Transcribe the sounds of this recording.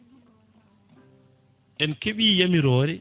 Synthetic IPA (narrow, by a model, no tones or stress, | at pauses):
ʔɛnkeɓiːjamiɾɔːɾɛ